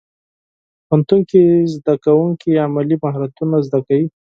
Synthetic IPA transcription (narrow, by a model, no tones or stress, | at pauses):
pant̪uŋkizd̪akawuŋkiamalimaɦɾat̪unazd̪akawi